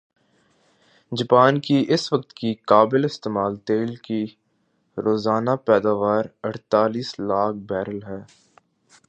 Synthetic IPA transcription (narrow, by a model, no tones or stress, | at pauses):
d͡ʒɐpaːnkiʔɪsʋɐk̚t̪kikaːbɪlɪst̪eːmaːlt̪eːlki | ɾoːzaːnapɛːd̪aːʋaːɾɐʈt̪aːliːslaːk̚ʰbɛːɾəlɦɛː